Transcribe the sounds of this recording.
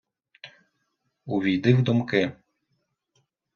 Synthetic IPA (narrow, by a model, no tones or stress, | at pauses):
uʋʲijd̪ɪwd̪umkɪ